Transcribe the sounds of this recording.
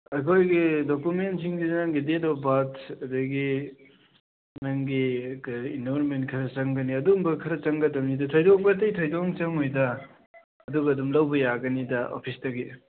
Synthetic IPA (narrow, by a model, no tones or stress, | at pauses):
ɐkʰojɡidokumentsiŋdinɐŋɡidedobatɐdɐɡi | nɐŋɡikindoɾmentkʰɐɾɐt͡ʃɐŋɡɐniɐduŋbɐkʰɐɾɐt͡ʃɐŋɡɐtɐmnidɐtʰojdoŋbɐtɐjtʰojdoŋt͡ʃɐŋojdɐ | ɐduɡɐːdumlɐwbɐjaɡɐnidɐʔo̰pʰistɐɡi